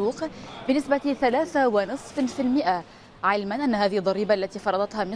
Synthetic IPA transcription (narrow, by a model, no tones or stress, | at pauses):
uːqbɪnɪsbaθalaːθawɪnɨsˤffilmɪʔa | ʕɪlmanʔanːhaːðɪhɪd̪ˤːɑɾiːbaʔalːat̪iːfɑɾˤɑd̪ˤɑt̪hamɪ